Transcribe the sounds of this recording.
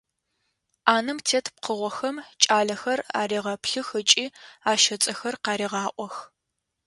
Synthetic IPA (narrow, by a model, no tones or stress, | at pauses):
aːnɨmtʰeːtʰp̚qəʁʷɔxɐmt͡ʃʼaːɮɐxɐra̰ːɾiːʁɐpɬɨxɨt͡ʃʼiːaːʃɐt͡sʼɐxɐrqɑːɾiːʁɑːʔʷɔx